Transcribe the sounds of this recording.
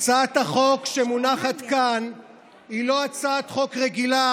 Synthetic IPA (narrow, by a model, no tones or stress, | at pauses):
t͡saat̪haχo̞kʃemunaχat̪kan | ilo̞at͡saat̪χo̞kʁeɡila